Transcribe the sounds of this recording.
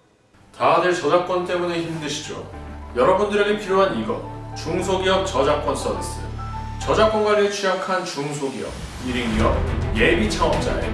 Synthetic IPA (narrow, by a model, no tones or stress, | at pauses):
tadɯɭt͡ɕʌd͡ʑak͈̚wʌnt͈e̞muneçimdɯɕʰid͡ʑo̰jʌɾʌbundɯɾe̞ɡepʰiɾjoɦaniɡʌt͡ɕuŋs̬ʰoɡiʌp̚t͡ɕʌd͡ʑak͈wʌns͈ʌdḭs͈ɯjo̰ | t͡ɕʌd͡ʑak͈wʌnɡwaɾiet͡ɕʰijakʰant͡ɕuŋsʰoɡiʌ̰p̚ | iɾiŋiʌp̚je̞bit͡ɕʰaʌp̚t͡ɕ͈a̰ḛ